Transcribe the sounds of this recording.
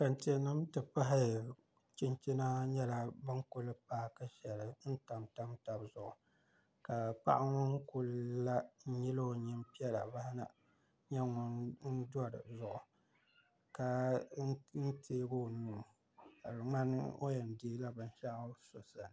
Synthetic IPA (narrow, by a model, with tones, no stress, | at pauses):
ka˨ntɛ˨nɨ˦mtɨ˨pa˦ɦɪ˦˨ | t͡ʃɪ˦nt͡ʃi˦na˦ɲɛ˦la˨bɨ˦ŋkʊ˦lɨ˦paː˦ka˦ʃɛ˨lɨ˨n̩˦ta˨mta˦mta˨bzʊ˦˨ʔʊ˨ | ka˨pa̰˦ʔa˦ŋʊ˦ŋ˦kʊ˦lla˦ɲɪ˦lo˦˨ɲɪ˦mpi˦ɛ˦la̰˨ba˦ha˦na̰˨ | ɲɛ˦ŋʊ˦nn̩˦dɔ˦ɾɨ̰˨zʊ˦ʔʊ˨ | ka˨˦ | n̩˦tʰeː˦ɡo˦nuː˦ | a˨ɾɨ˨ŋ͡ma˦n̰˦o̰˦jɛ˨ndiː˦la˦bɨ˨n˦ʃa˦ʔso˨sa˨n˨